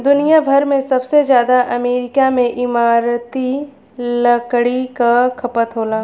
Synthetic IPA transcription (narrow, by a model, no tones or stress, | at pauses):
d̪ʊnijabʱɐɾmẽsɐbsezjaːd̪aʔɐmeːɾɪkamẽʔɪmaːɾt̪i | lɐkɽikakʰɐpət̪ɦoːlaː